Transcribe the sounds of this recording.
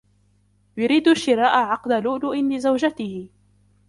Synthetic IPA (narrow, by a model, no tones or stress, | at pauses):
jʊɾiːd̪aʃːɪɾɑːʔaʕɑqd̪alʊːʔlʊʔɪnlɪzawd͡ʒat̪ɪhɪ